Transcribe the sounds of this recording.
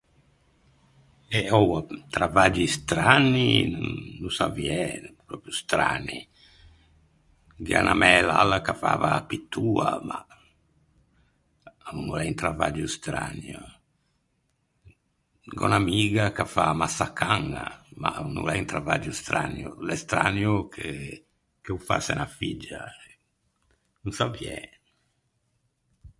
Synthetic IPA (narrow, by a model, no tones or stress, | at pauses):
ɛɔwat̪ɾavad͡ʒist̪ɾanːinuːusavjɛnpɾɔːpɾjust̪ɾa̰ni | ɡia̰nʔamɛlalːakafa̰ːvapit̪ʰːuːa̰ma | aunulɛjnt̪ɾava̰d͡ʒust̪ɾa̰nu | ɡɔ̰namiːɣakafamasakaŋa̰maunːṵlɛint̪ɾavad͡ʒust̪ɾanjṵlɛst̪ɾanjukʰe | kɛufasɛnafid͡ʒːaɛ | nunsavjɛ